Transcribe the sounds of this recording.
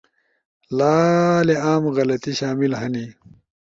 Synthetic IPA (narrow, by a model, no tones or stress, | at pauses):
laːleaːmɣɐlɐt̪iɕaːmilhɐni